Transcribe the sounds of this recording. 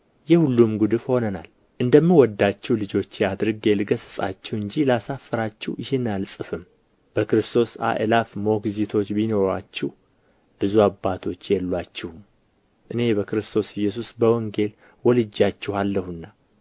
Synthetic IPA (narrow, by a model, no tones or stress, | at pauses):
jɛhulːumɡud̪ɨfho̞nəna̰l | ʔɨnd̪əmːɨwɔd̪ːat͡ʃːɛwlɨd͡ʒo̞t͡ʃːɪad̪ɾɨɡelɡəsɨsʼa̰t͡ʃːɛwɨɲd͡ʒilasafːəɾat͡ʃːɛwjɪhɪnalsʼɨfɨm | b̥əkɾɨst̪ʰo̞sa̰ʔɨlafmokzit̪ʰo̞t͡ʃːbino̞ɾa̰t͡ʃːɪh | b̥ɨzuabːat̪ʰo̞t͡ʃːjɛlːat͡ʃːɪhum | ʔɨne̞bəkɾɨst̪ʰo̞sɪjːɛs̬usbəwɔŋɡe̞l | wɔlɨd͡ʒːat͡ʃːɛhalːəhɨnːa